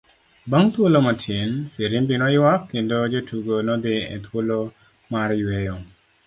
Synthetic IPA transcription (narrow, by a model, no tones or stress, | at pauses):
baŋt̪wolomatʰɪnfeɾinbinɔjwakːɪndod͡ʒotʰuɡonɔd̪ɪɛ̰t̪wolo | maɾjwejo